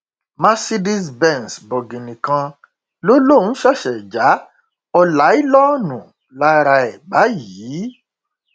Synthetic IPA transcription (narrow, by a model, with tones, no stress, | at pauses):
mã˦si˦di˦sbɛ˦˨n˨sbɔ˨ɡĩ˨nĩ˨kã˧ | lo˦lo˦˨n̩˦ʃa˦˨ʃɛ˨d͡ʒa˨˦ | ɔ˧la˨˦i˦lɔ˦nũ˨ | la˦˧ɾa˧ɛ˨ɡ͡ba˨˦ji˨˦